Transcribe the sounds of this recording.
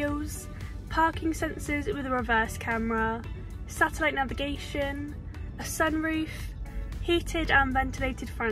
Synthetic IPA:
lz̥ | pʰɑˑkʰɪ̃ŋsɛ̃nsɪzwɪðəɹɪvɜˑskʰaməɹə | satəlaɪʔnavɪɡeɪʃə̃n | əsʌ̃nɹʉˑfhiˑtʰɪdə̃nvɛ̃ntʰɪleɪtʰɪd̥fɹã

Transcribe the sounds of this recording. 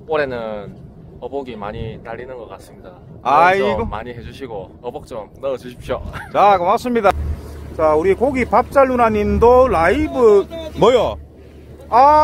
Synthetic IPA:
k͈oɾe̞nɯn | ʌboɡima̰ɲitaʎːinɯnɡʌk͈as͈ɯmɲida | aiɡomːa̰ɲiɦe̞d͡ʑuɕʰiɡoʌbok̚t͡ɕ͈omnʌd͡ʑuɕʰi̥p̚ɕiot͡ɕakɯmas͈ɯmɲidat͡ɕauɾikoɡipap̚t͡ɕ͈aɭːunaɲindolaibɯmʌjo | a

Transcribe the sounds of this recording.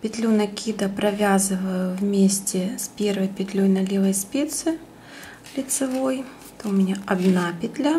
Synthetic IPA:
pʲɪt̪ʲlʲunɐkʲʰid̪ɐpɾʔɐvʲazɨvəjʊvmʲesʲtʲɪspʲervɐjpʲɪt̪ʲlʲojnɐlʲevɐjspʲet̪sɨ | lʲɪt̪sɨvoj | t̪ɐʊmʲɪnʲaɐd̪napʲɪt̪ʲlʲa

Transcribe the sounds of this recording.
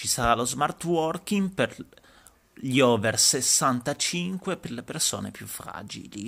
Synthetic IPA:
t͡ʃisaɾalozmart̪wɔrkiŋper | ʎiɔːversesːant̪at͡ʃiŋkweperleperso̰ːnḛpjufɾa̰ːd͡ʒḭli

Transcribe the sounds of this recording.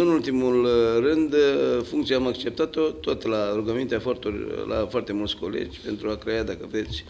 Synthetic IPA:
ɨnult̪imulrɨnd̪fuŋkt̪sieamakt͡ʃe̞p̚t̪at̪o̞t̪ot̪laɾuɡəmint̪eafoart̪urʲla̰foart̪e̞mult̪sʲko̞le̞̰d͡ʒʲpe̞nt̪ɾuakɾe̞jad̪akəve̞t̪sʲ

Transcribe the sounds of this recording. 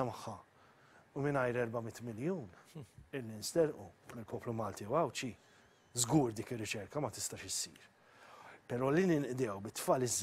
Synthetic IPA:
ɐmɐħːɐ | ʊmɪnɐjɾɛɾbɐmɪt̪ːmɪljuːnɪlːinst̪ɛɾʔumɪlpɔːplumɐːlt̪iwɐwt͡ʃi | zɡuːɾd̪iːkɪrːɪt͡ʃɛɾkɐmɐt̪ɪst̪ɐːʃɪsiːɾ | pɛɾɔːlinɪnʔd̪ɛːwbɪt̪ːfɐːlɪzː

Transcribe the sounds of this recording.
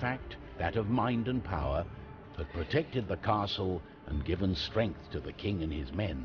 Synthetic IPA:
fæk̚t̪̚ | ðɨɾʌvmãɪ̃ndɨ̃npʰaʊə˞ | ðɨt̚pʰɹ̥ɨtʰɛk̚tɨd̪̚ðɨkʰɑɹsl̩ˠ | ʔə̰̃nɡɪvə̃nstɹ̥ɛ̃ŋk̚θtʰɨðɨkʰɪ̃ŋɨ̃nɪzmɛ̃n

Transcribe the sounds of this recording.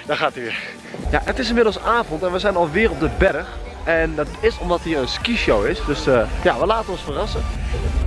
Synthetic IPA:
d̥ɔxaːtyʋɪ | ja̰ətɪsɪnmɪdəl̩ˠsaːvɔntɛnʋəzɛjnɑlˠʋɪːərɔb̚dəbɛɾəx | ɛndɑtɪsɔmdɑtɦiːrənskiʃowɪsdøsəjaʋəlaːtənɔnsfərɑsə

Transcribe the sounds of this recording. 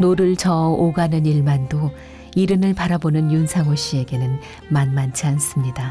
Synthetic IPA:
noɾɯɭt͡ɕʌoɡanɯniɭmando | iɾɯnɯɭpaɾabonɯnjunsʰaŋoɕ͈ie̞ɡe̞nɯn | manmant͡ɕʰians͈ɯmɲida

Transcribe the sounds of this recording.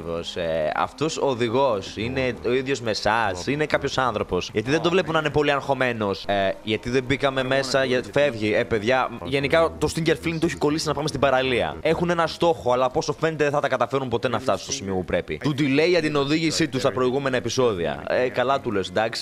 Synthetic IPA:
vo̰seɐ̰ft̪o̞soðiɣo̞sine̞o̞iðʝo̞zme̞sɐsine̞kɐpço̞sɐnθɾo̞po̞sʝɐt̪iðend̪ovle̞punɐinepo̞liɐnxo̞me̞no̞sʝɐt̪iðebikɐme̞me̞sɐʝɐfe̞vʝiepe̞ðʝɐʝe̞nikɐt̪o̞st̪iɲɟeɾfliŋt̪oçi̥ko̞lisiznɐpɐmst̪ibɐɾɐliɐ̰e̞xune̞nɐst̪o̞xo̞ɐlɐpo̞so̞fe̞net̪eðeθɐt̪ɐkɐt̪ɐfe̞ɾumpo̞t̪e̞nɐft̪ɐsunst̪osimiopupɾe̞pḭt̪ud̪ileiʝɐt̪ino̞ðiʝisit̪ust̪ɐpɾo̞iɣume̞nɐe̞piso̞ðiɐ̰ekɐlɐt̪ulesd̪ɐksi̥

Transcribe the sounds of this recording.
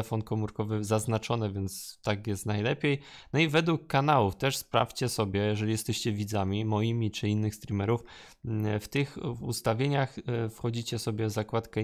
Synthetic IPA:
ɛfɔnkɔmuɾkɔvɘzaznat͡ʂɔnɛvʲɛnt̪st̪akjɛst̪najlɛpʲejnɔivɛd̪wukːanawuft̪ɛʂspɾa̰ft͡ɕɛsɔbʲjɛjɛʐɛlʲijɛst̪ɛɕt͡ɕɛvʲid̪zamʲimɔjimʲit͡ʂɘinːɘxst̪ɾʲimɛɾuf | ft̪ɘxust̪avʲjeɲaxfxɔd͡ʑit͡ɕɛsɔbʲjɛvzakwat̪kɛ

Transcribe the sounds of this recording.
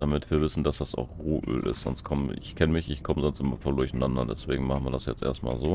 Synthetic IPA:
d̥amɪtv̥iːɐvɪsn̩d̥asd̥asa̰ʊxʁoːʔø̰ːlʔɪ̰stz̥ɔ̰nstkʰɔməɪ̰çkʰɛnəmɪçɪçkʰɔməzɔnstʔɪmɐfɔːldʊɐçnandɐdɛsv̥ḛːɡŋ̩maχn̩viːɐdasjɛ̰t͡stʔḛːɐstma̰ːlzoː

